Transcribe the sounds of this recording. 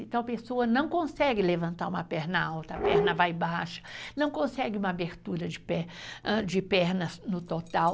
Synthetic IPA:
ɪ̃t̪ɐw̃ɐpesoɐnɐ̃w̃kõsɛɡɪlevɐ̃nt̪aɾũmɐpɛɾnɐawt̪ɐːpɛɾnɐvajbaʃɐ̥nɐ̃w̃kõsɛɡɪũmɐabeɾt̪uɾɐd͡ʒɪpɛd͡ʒɪpɛɾnɐznʊt̪ot̪aw

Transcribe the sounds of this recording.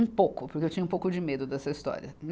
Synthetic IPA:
ũpowkʊpʊɾkeewt͡ʃĩɲɐũpowkʊd͡ʒɪmed̪ʊd̪ɛsɐist̪ɔ̰ɾiɐn

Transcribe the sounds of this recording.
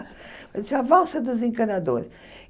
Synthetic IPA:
mɐisavɔlˠsɐd̪uzẽŋkɐnɐd̪oɾʃ

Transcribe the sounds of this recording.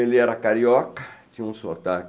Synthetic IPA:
elɪɛɾɐkaɾiɔkɐ̥t͡ʃĩɲɐũsot̪ak

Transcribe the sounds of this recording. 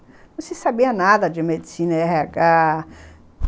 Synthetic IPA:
nũsisabiɐnad̪ɐd͡ʒɪmed̪isĩnɐɛɦɛakʼa

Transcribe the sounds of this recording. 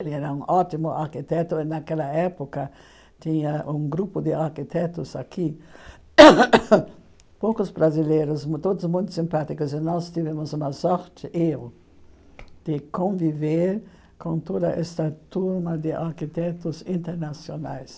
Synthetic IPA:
elɪɛɾɐũŋʔɔt̪imʊʔa̰ɾkit̪ɛt̪ʊɪnakɛlɐɛpʊkɐ | t̪ĩɲɐʔũŋɡɾupʊd̪ɪaɾkit̪ɛt̪ʊzakʰi | powkʊsbɾazileɾʊsmt̪od̪ʊzmũj̃t̪ʊ̥sĩmpat̪ikʊsɪnɔst̪ivɛ̃mʊzũmɐsɔɾt̪ɪʔew | d̪̥ɪkõviveɾ | kõnt̪od̪ɐ̰ʔɛ̰st̪ɐt̪uɾmɐd̪ɪʔaɾkit̪ɛt̪ʊzĩnt̪eɾnasionajs

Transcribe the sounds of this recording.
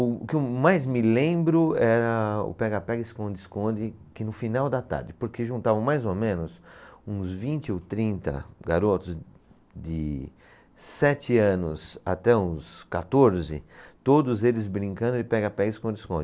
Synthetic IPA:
ʊʊkɪwmajzmɪlẽbɾʊɛɾɐʊ̰pɛɡapɛɡɪskõd̪ɪskõd͡ʒɪkɪnʊfinawd̪ɐt̪a̰ɾd͡ʒɪpoɾkeʒũnt̪avɐ̃w̃majzomẽnʊsũzvĩnt͡ʃɪot̪ɾĩnt̪ɐ̰ɡa̰ɾot̪ʊz | d̪ɪ | sɛt͡ʃɪɐ̃nʊsa̰t̪ɛũskat̪oɾzɪ̰t̪od̪ʊzelɪzbɾĩŋkɐ̃nd̪ʊɪpɛɡapɛɡɪskõd̪ɪskõd͡ʒɪ

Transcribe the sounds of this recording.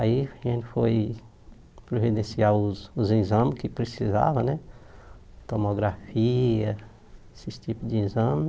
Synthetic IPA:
aiẽnfoj | pɾovid̪ẽsiauzuzĩzɐ̃mkipɾesiza̰vɐnɛ | t̪omoɡɾafiɐ | esist͡ʃ̪ipud͡ʒiĩzɐ̃m

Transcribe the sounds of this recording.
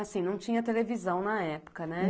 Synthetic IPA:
asĩnɐ̃w̃t͡ʃĩɲɐt̪elevizɐ̃w̃nɐɛpʊ̥kɐnɛ

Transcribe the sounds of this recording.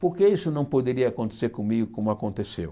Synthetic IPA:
poɾkeisʊnɐ̃w̃pod̪eɾiɐakõnt̪e̥seɾkõmiɡʊkõmʊakõnt̪esḛw

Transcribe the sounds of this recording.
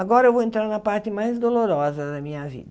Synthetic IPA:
aɡɔɾɐɛwvoẽnt̪ɾaɾnɐpaɾt̪ɪmajzd̪oloɾɔzɐd̪ɐmĩɲɐvḭd̪ɐ

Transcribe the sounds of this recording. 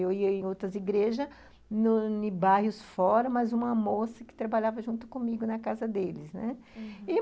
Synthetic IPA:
ewiɐẽj̃owt̪ɾɐziɡɾeʒɐ | nʊnɪbaɦhʊsfɔɾɐmɐzũmɐmosɐkɪ̥t̪ɾabaʎavɐʒũnt̪ʊ̥kõmiɡʊnɐkazɐd̪elɪsnɛ | ɪ

